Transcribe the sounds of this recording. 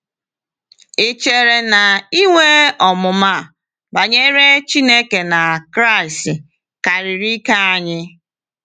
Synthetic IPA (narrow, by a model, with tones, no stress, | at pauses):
e˨t͡ʃe˨ɾe˨na˨i˦ŋʷe˦ɔ˨mʊ˨ma˦˨ | ba˨ɲe˦ɾe˦t͡ʃi˦ne˦ke˨na˨kɾa˦˨i˨stɪ˨ | ka˨ɾi˨ɾi˦ka˦a˦ɲɪ˦